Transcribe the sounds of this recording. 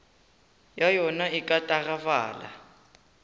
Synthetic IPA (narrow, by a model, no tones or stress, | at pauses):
jajɔnaikʼatʼaɣava̰ːla̰